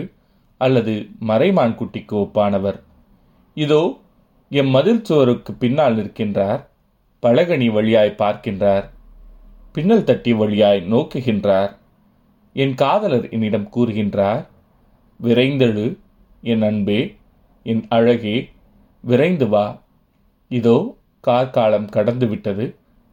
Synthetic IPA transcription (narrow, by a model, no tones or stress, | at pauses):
ʔɐlːɐðɯmɐɾɐɪmaːnkʊʈːɪkːɯɔpːaːnɐʋɐɾ | ɪðoː | ɛnmɐðɪɾt̪ɯʋɐɾɯkːɯpːɪnːaːlnɪɾɯkːɪndraːɾ | pɐɻɐɣɐɳiʋɐɻɪjaːjpaːɾkɪndraːɾ | pɪnːɐɭt̪ɐʈːɪjɐʋɐɭɪjaːjnoːkɯɣɪndraːɾ | ɛnkaːðɐlɐɾɪ̰nːɪɽɐmkuːɾɯɣɪndraːɾ | ʋɪɾɐɪnd̪ɐɻɯ | ɛnɐɳbeː | ɛnɐɻɐɣeː | ʋɪɾɐɪnd̪ɯʋaː | ɪðoː | kaːɾkaːlɐmkɐɽɐnd̪ɯʋɪʈːɐðɯ